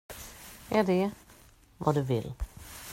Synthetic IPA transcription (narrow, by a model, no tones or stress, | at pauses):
æɖɛ | va̰d̪ɵvɪ̰l